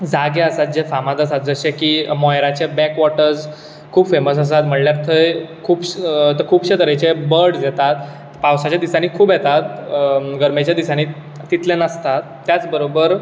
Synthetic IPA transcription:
d͡zaɡeəsat̪̚d͡ʑefamat̪əsat̪̚d͡zəɕekiːmɔjɾat͡ɕebɛkʋɔʈəɾd͡z | kʰuːbfeməs̬əs̬at̪m̤əɳljaɾt̪ʰəekʰuːbt̪əkʰuːbɕet̪əɾet͡ɕebəɾɽd͡zɛt̪at̪ | pawsat͡ɕjad̪isaniːkʰuːbjet̪at̪ɡəɾmet͡ɕjad̪isaniː | t̪it̪lẽnəst̪at̪ːjat͡sbəɾobəɾ

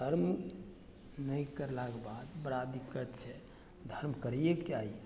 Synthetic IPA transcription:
d̪ʱəɾm | nəjkəɾlakbad̪bəɾad̪ikət̪t͡ʃʰɛ | d̪ʱəɾmkəɾjekt͡ʃaɦi

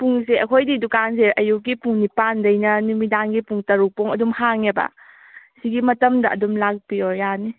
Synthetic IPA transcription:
puŋseɐkʰojdidukans̬eʔɐjuk̚ɡipuŋnipandɐjnɐnumidanɡipuŋtɐɾuk̚pɔŋɐdumhaŋebɐ̰ | siɡimɐtɐmdɐʔɐ̰dumlak̚piɔjani

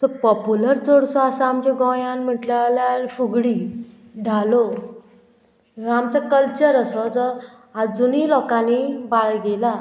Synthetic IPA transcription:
səpɔpuləɾt͡soɽsɔasaamt͡ɕeɡɔjãnm̤əʈlalaɾfuɡɽi | ɖʱalo | amt͡sakəlt͡ɕəɾəsɔd͡zə | ad͡zunilɔkãnibaɭɡela

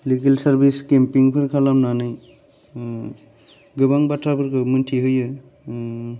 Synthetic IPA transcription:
likelsaɾbiskempiŋpʰɯɾkʰalamnanɯj | ɡɯbaŋbatʰabɯɾkʰɯmɯntʰiɦɯjɯ

